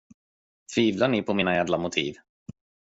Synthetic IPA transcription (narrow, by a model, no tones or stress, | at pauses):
fiːvlaɳɪpʰɔmiːnajaːd̪lamʊt̪ʰḭːv